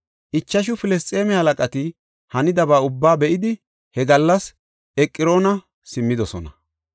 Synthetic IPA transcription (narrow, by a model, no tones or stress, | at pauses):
ʔɪt͡ʃːɐʃ̬ʊfɪlɛs̬t̪ʼe̞ːmɛhɐlɐkʼɐt̪ɪ | hɐnɪd̪ɐbaːʊbːaːbɛʔɪd̪ɪ | hɛɡɐlːɐs | ʔɛkʼːɪɾo̞ːnɐ | sɪmːɪd̪ɔsɔnɐ